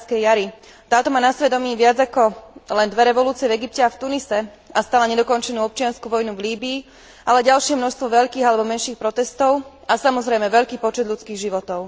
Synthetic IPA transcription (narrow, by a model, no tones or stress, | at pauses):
skɛjjaɾi | t̪aːt̪ɔmaːnasʋɛd̪ɔmiːʋɪad͡zakɔlɛnd̪ʋɛɾɛʋɔluːt͡siɪɛvɛɡipcɛaft̪unisɛ | ast̪aːlaɲɛd̪ɔkɔnt͡ʃɛnuːɔp̚t͡ʃɪanskuʋɔjnuvliːbiː | ʔalɛɟalʃɪɛmnɔʃst̪ʋɔʋɛʎkiːɣalɛbɔmɛnʃiːxpɾɔt̪ɛst̪ɔʊ | asamɔzɾɛjmɛʋɛʎkiːpɔt͡ʃɛd̪lʎut͡skiːɣʒiʋɔt̪ɔʊ